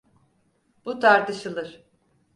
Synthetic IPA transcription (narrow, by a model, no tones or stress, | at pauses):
b̥ut̪ʰaɾt̪ɯʃɯlˠɯɾ̥